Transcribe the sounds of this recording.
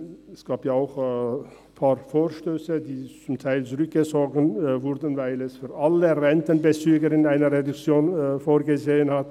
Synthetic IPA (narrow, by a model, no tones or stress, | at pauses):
ɛsɡ̥aːpjaːaʊx | pʰaːʁfoːʃtøːsədiːt͡sʊmtʰaɪlt͡sʊʁʏk̚ɡ̥əzɔːɡn̩vʊʁdn̩vaɪlɛsfyːɐʔaləʁɛntənbət͡syːɡəɾɪnaɪnəʁedʊkt͡sjoːnfoːɐɡəzeːənhat